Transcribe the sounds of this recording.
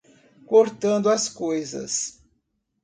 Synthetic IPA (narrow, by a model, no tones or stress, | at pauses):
koɾt̪ɐ̃nd̪ʊɐskojzɐ̰s